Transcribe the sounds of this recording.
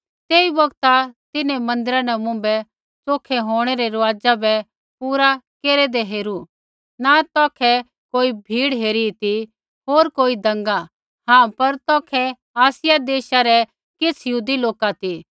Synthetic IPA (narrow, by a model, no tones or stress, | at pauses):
t̪eːibɐɡt̪at̪ɪnemɐ̃nd̪ɪɾanɛmʊ̃ːmbɛ | t͡soːkʰɛɦoːɽ̃ɛɾɛɾɐʋaːd͡zabɛ | puːɾakeːɾɛd̪ɛɦeːɾu | nat̪ɔːkʰɛ | koːibʱiːɽɦeːɾit̪i | ɦoːɾkoːid̪ɐ̃ŋɡa | ɦãːpɐɾt̪ɔːkʰɛ | aːsɪjad̪eːʃaɾɛ | kɪt͡sʰjɦuːd̪iloːkat̪i